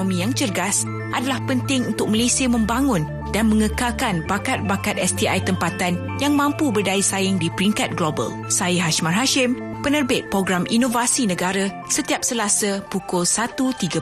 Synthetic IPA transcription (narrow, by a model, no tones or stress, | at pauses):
mĩjaŋt͡ʃərɡas | ʔadalahpənt̪ɪŋunt̪ʊk̚malesiəmə̃mbaŋʊ̃n | danmə̃ŋəkalkanbakat̪̚bakat̪ɛst̪iʔajt̪əmpat̪an | jaŋmãmpubərdaisaɪŋdipɾiŋkat̪̚ɡlobə̰l | sajəɦaʃmarɦaʃɪmpənərbɪt̪̚pɾoɡɾamʔinovasinə̃ɡaɾa | sət̪iap̚səlasəpukʊlsat̪ut̪iɡa